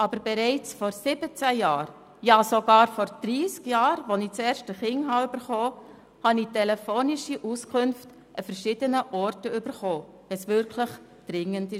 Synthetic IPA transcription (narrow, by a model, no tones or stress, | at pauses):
ʔɑb̥əɾbɛɾɛɪt͡sfɔɾsɪb̥ət͡sæjɑːɾ | jɑːsoɡ̥ɑːɾfɔɾd̥ɾiːskjɑːɾʋɔnit͡sɛːɾʃtəχɪŋɦɑʏb̥əɾχoː | hɑnitɛlɛfoːnɪʃiʔuskʰʊnft | ʔəfəɾʃɪdənəʔɔrtəʏb̥əɾχoː | ɛsvʏɾkʰləχ | d̥ɾɪŋəndi